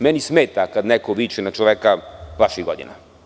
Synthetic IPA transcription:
mɛnismeːt̪akad̪nɛkoʋit͡ʃinat͡ʃoʋɛkavaʃiɣɡod̪ḭna̰

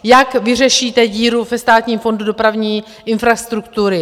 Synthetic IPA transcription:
jakvɪr̝ɛʃiːt̪ɛɟiːɾuvɛst̪aːt̪ɲiːmfo̞ndudo̞pɾavɲiː | ʔɪnfɾast̪ɾukt̪uɾɪ

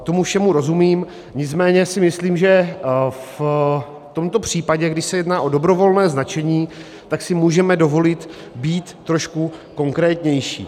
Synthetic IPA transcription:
t̪o̞mufʃɛmuɾo̞zumiːm | ɲɪt͡smɛːɲɛsɪmɪsliːmʒɛ | f | t̪o̞mt̪o̞pr̝̥iːpaɟɛɡdɪʃsɛjɛdnaːʔo̞do̞bɾo̞vo̞lnɛːznat͡ʃɛɲiː | t̪aksɪmuːʒɛmɛdo̞vo̞lɪt̪ | biːt̪ːɾoʃkuko̞ŋkɾɛːt̪ɲɛjʃḭː

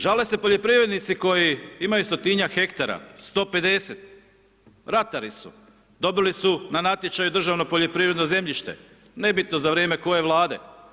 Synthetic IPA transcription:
ʒalese̞po̞ʎo̞pɾiʋɾe̞d̪nit̪siko̞jiimajust̪o̞t̪iɲaxe̞kt̪aɾa̰st̪o̞ːpe̞d̪e̞set̪ | ɾat̪aɾisṵ | d̪o̞bilisunanat̪ʲje̞t͡ʃajud̪r̩ʒaʋno̞poʎo̞pɾiʋɾe̞d̪no̞ze̞mʎiʃt̪ḛ | ne̞bit̪no̞zaʋɾeːme̞ko̞je̞ʋlˠaːd̪e

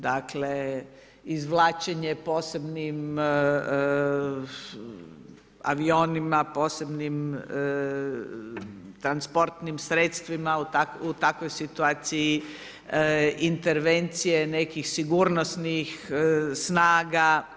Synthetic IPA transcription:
d̪akle | izʋlˠaːt͡ʃeɲepo̞ːse̞bnim | a̰ʋio̞ːnimapo̞ːse̞bnim | t̪ɾanspo̞ɾt̪nimsɾet̪st̪ʋimaut̪akut̪akʋojsit̪uaːt̪siji | int̪eɾʋe̞nt̪sijene̞kixsiɡuːɾnosnixsnaːɡa

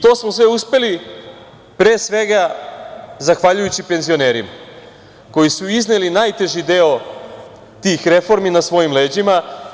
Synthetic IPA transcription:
t̪o̞ːsmosʋeuspe̞li | pɾe̞ːsʋe̞ɡa | zaxʋaʎujut͡ɕipe̞nzio̞ne̞ːɾima | ko̞jisuiznelinaːjt̪e̞ʒid̪e̞o | t̪iːxɾe̞fo̞ɾminasʋo̞jimle̞ːd͡ʑima

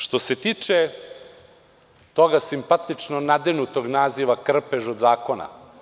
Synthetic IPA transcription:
ʃt̪o̞se̞t̪iːt͡ʃe | t̪o̞ɡasimpat̪it͡ʃnonad̪enut̪o̞ɡnaːziʋakr̩peʒod̪zaːkona̰

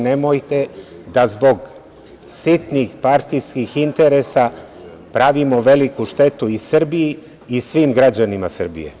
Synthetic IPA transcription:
nemojt̪e̞d̪azbo̞ɡ | sit̪nixpaɾt̪ijskixint̪e̞ɾesa | pɾaʋimo̞ʋe̞likuʃt̪e̞t̪uisr̩bijiː | sʋiːmɡɾad͡ʑanimasr̩bḭjḛ

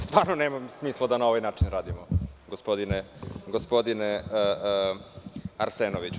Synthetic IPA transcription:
st̪ʋaːɾnoneːmamsmiːslˠad̪anaoʋajnaːt͡ʂinɾaːd̪imoɡospod̪ineɡospo̞d̪ine | aɾsenoʋit͡ɕ

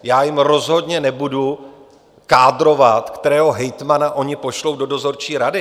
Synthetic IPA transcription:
jaːjɪmɾo̞zɦo̞dɲɛnɛbudu | kaːdɾo̞vat̪kt̪ɛɾɛːɦo̞ɦɛjt̪manaʔo̞ɲɪpo̞ʃlo̞wdo̞do̞zo̞ɾt͡ʃiːɾadɪ

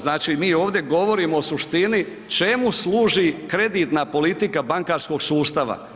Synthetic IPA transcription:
znaːt͡ʃimiːo̞ːʋd̪je̞ɡo̞ʋo̞ɾiːmoːsuʃt̪ini | t͡ʃe̞muslˠuːʒikɾe̞d̪iːt̪napo̞lit̪ikabaŋkaːɾsko̞ɡsuːst̪aʋa̰

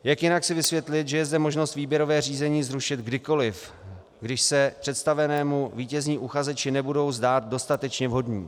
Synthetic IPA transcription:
jakjɪnaksɪvɪsvjɛt̪lɪt̪ʒɛjɛzdɛmo̞ʒnost̪viːbjɛɾo̞vɛːr̝iːzɛɲiːzɾuʃɪt̪ɡdɪko̞lɪf | ɡdɪʃsɛpr̥ɛt̪st̪avɛnɛːmuviːcɛzɲiːʔuxazɛt͡ʃɪnɛbudo̞wzdaːt̪̚do̞st̪at̪ɛt͡ʃɲɛvɦo̞dɲḭː

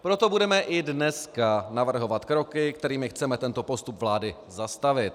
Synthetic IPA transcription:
pɾo̞t̪o̞budɛmɛʔɪdnɛskanavr̩ɦo̞vat̪kɾo̞kɪkt̪ɛɾiːmɪxt͡sɛmɛt̪ɛnt̪opo̞st̪upvlaːdɪ | zast̪avɪt̪̚

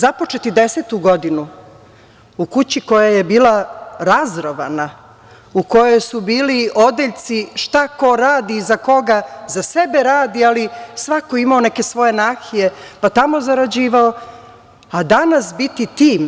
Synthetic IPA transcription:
zapo̞t͡ʃet̪id̪e̞set̪uɡo̞d̪inu | ukut͡ɕiko̞jajebiːlaɾazɾoʋa̰na | uko̞jo̞jsubiːlio̞d̪eʎt̪siʃt̪ako̞ɾaːd̪iːzako̞ɡazase̞beɾaːd̪ialisʋakoimaoneke̞sʋo̞jenaxije̞pat̪amo̞zaɾad͡ʑiːʋao | ad̪anasbit̪it̪iːm

